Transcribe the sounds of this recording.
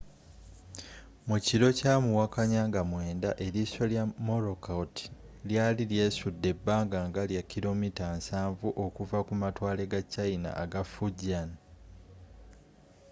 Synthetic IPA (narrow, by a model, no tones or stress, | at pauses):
muciɾo̞camuwakaɲaːŋɡamwe̞ːndaʔe̞liso̞ljamo̞ɾo̞kauti̥ | ljaːlilje̞ːsudːe̞bːaːŋɡaŋɡaljakːilo̞mitansaːɱvuʔo̞kuvakumatwaːle̞ɡacːaina̰aɡafuɟan